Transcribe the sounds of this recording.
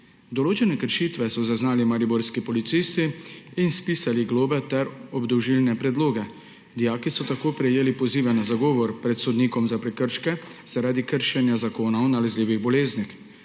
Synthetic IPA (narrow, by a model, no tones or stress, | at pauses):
d̪ɔloːt͡ʃɛnɛkəɾʃiːt̪ʋɛsɔzaznaːlimaɾiboɾskipɔlit̪siːst̪iːnspiːsaliɡloːbɛt̪ɛɾɔbd̪ɔwʒilnɛpɾɛd̪loːɡɛ | d̪ijaːkisɔt̪akoːpɾɛjeːlipɔziːʋɛnazaɡɔːʋɔɾpɾɛt̪sɔd̪niːkɔmzapɾɛkəɾʃkɛz̥aɾaːd̪ikəɾʃɛnjazakoːnawnalɛzliːʋiɣbɔleːznix